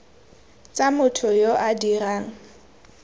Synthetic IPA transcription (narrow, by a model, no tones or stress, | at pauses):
t͡sʼamʊtʰʊjoʔadiraːŋ̩